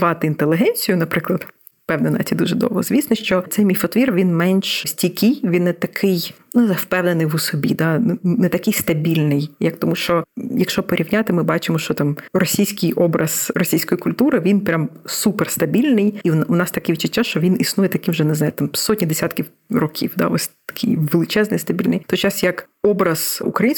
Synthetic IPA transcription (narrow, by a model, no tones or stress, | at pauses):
ʋɑt̪ɪint̪elˠɪɦɛnʲt͡sʲijʊnɐpɾɪklˠɐd̪ | fpɛwnenɐ̰t͡sʲid̪uʒɛd̪ɔ̰wɦɔ̰zʲʋʲisnɔʃt͡ʃɔt̪sɛjmʲifɔt̪ʋʲirʋʲinmɛnʲʃsʲtʲikʲɪjʋʲinːɛt̪ɐkʰɪjnunzawpɛwnenɪjʋʊsɔbʲḭd̪ɑnnɛt̪ɐkɪjst̪ɐbʲilʲnɪjjɐk̚t̪ɔmuʃt͡ʃɔjɐkʃt͡ʃɔpɔɾʲiwnʲat̪ɪmɪbɑt͡ʃɪmɔʃt͡ʃɔt̪ɑmrɔsʲijsʲkɪjɔbɾɐz̥ɾɔsʲijsʲkɔjikʊlʲt̪uɾɪʋʲinpɾʲamsuperst̪ɐbʲilʲnɪjinʊnɑst̪ɐkɪʋid̪t͡ʃːʊtʲːaʃt͡ʃɔʋʲinisnujɛt̪ɐkɪmʒɛneznɑjʊt̪ɑmsɔtʲnʲid̪esʲat̪kʲiw | rɔkʲʰḭwd̪a̰ɔsʲt̪ɐ̥kʰɪjʋelˠɪt͡ʃɛznɪjst̪ɐbʲilʲnɪjt̪ɔjt͡ʃɑsjɐk | ɔbɾɐz̥ṵkɾɐjinʲs